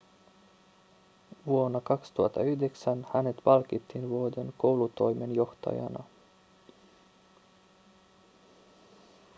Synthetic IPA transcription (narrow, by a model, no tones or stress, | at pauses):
ʋuo̞nːɑkɑkst̪uɑt̪ːɑyhde̞ksænhæne̞t̪pɑlkit̪ʰːinʋuode̞nko̞wlut̪o̞jmenjo̞ht̪ɑ̰jɑ̰nɑ̰